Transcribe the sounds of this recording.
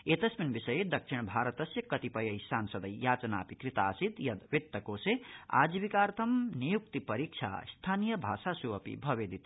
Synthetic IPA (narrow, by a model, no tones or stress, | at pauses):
et̪ʌsminbisɐjed̪ʌkt͡ʃʰiɽ̃bʱaɾɐt̪ɐsjɐkʌt̪ipʌjɐjsansʌd̪ɐjjaːt͡sɐna̰ːpikɾit̪aːsid̪jʌd̪ʋit̪ːɐkoːsea̰d͡zibikaːɾt̪ʰɐmnijuk̚t̪ipʌɾik̚t͡ʃʰa̰st̪ʰaːnijʌbʱasasuʌpḭbʱʌbed̪ʱit̪